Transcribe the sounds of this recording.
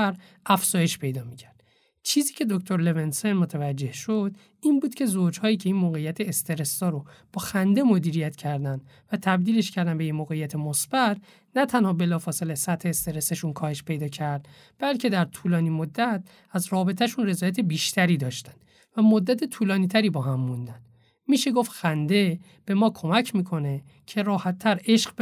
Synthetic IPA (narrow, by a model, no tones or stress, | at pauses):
ɾ | æfz̥ɒːje̞ʃpʰe̞jd̪ɒːmicʰæɾd̪̥̚ | t͡ʃʰiːziːcʰe̞d̪okt̪ʰo̞ɾlevensenmot̪ʰævæd͡ʒːe̞hʃod̪̥ | iːnbuːd̪cʰe̞zod͡ʒhɒːjiːcʰe̞iːnmoːɣe̞jːæt̪ʰe̞ːst̪e̞ɾest̪ɒːɾob̥ɒːxænd̪e̞mo̞d̪iːɾijæt̪cʰæɾd̪ænd̪ | væt̪ʰæb̚d̪iːle̞ʃcʰæɾd̪ænbe̞jinmoːɣejæt̪ʰemosb̥æt̪̚ʰ | næt̪ʰænhɒːbe̞lɒːfɒːse̞lesæt̪he̞ːst̪e̞ɾeseʃunkʰɒːhe̞ʃpʰe̞jd̪ɒːcʰæɾd̪̥ | b̥ælcʰe̞d̪æɾt̪ʰulɒːniːmod̪ːæt̪̚ | æzɾɒːbe̞t̪ʰæʃunre̞zɒːjæt̪ʰe̞biːʃt̪ʰæɾiːd̪ɒːʃt̪ænd̥̪ | væmo̞d̪ːæt̪ʰet̪ʰuːlɒːniːt̪ʰæɾiːbɒːɦæmːund̪æn | miːʃe̞ɡoftxænd̪e̞ | b̥e̞mɒːkʰo̞mæcʰmiːkʰo̞ne̞ | cʰe̞ɾɒːhæt̪ʰːæɾe̞ʃɡ